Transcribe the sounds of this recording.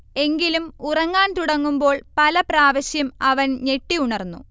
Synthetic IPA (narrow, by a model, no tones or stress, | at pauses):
e̞ŋɡilumurɐŋːaːnt̪uɽɐŋːumbo̞ːɭpɐlɐpraːʋɐɕjɐmɐʋɐnne̞ʈːiuɳɐrnːṵ